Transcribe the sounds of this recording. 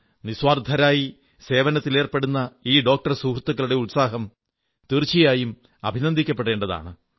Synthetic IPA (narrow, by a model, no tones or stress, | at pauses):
niswaːrd̪ʱɐɾaːji | se̞ːʋɐnɐt̪ːileːrpe̞ɽunːɐiːɖo̞ːk̚ʈɐrsuːkʰrut̪ːukːɐɭuɽe̞ulsaːɦɐm | t̪irt͡ɕːijaːjum | ɐbʱinɐnd̪ʱikʲːɐp̬ːe̞ɽe̞ːɳɖɐða̰ːɳɨ